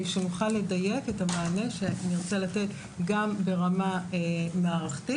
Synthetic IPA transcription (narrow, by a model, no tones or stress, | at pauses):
ʃemuχale̞daje̞ketamaːne̞ʃeniʁt͡selate̞t | ɡambe̞ʁamamaːʁaχti